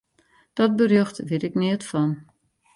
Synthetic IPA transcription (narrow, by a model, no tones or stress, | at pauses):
d̥ɔt̚bərjøxtʋɪtɪknɪətfɔn